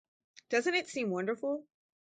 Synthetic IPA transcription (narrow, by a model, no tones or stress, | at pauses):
d̥ʌzɨ̃n̩tɨtsĩmwʌ̃ndə˞fl̩ˠ